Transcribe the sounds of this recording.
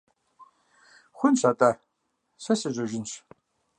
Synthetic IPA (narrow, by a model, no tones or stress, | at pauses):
xʷʊnɕatʼɐ | ɕɐsɨʑʼɐʒɪnɕ